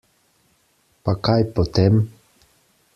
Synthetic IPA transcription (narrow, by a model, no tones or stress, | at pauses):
pakajpot̪ɛm